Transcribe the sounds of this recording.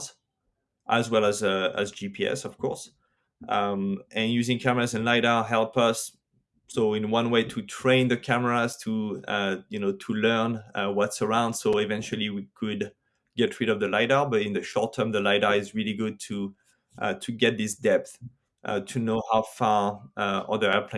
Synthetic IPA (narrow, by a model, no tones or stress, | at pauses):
z | ʔæzwɛlˠəzæ̰zd͡ʒipiɛ̰sʌv̥kʰɔɹs | ʔʌmʔɨ̃njʉzɪ̃ŋkʰæmə˞azɨ̃nlaɪɾə˞ɦɛlˠpʌsː | oʊɪ̃nwʌ̃nweɪtʰutʰɹ̥ẽɪ̃nðəkʰæmə˞az̥tʰuʌjɨnoʊtʰulɜ˞nwʌtsə˞ãʊ̃nd̥soʊɪvɛ̃nt͡ʃəlˠiwikʰɨd | ɡ̥ɛtʰɹɪɾʌvðəlaɪɾə˞bʌɾɪ̃nðɨʃɔɹtʰɜ̃˞mðəlaɪɾə˞ɪzɹiliɡʊd̚tʰu | ʔtʰuɡɛt̪̚ðɪsdɛp̚θ | ʔʌ̰tʰunoʊhaʊfɑɹə̰ðəɛɹpʰlẽ